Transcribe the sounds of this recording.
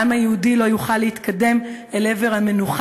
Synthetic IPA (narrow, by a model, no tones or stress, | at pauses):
amhajehudilo̞juχalːeit̪kʰade̞m | ele̞ve̞ʁhamenuχ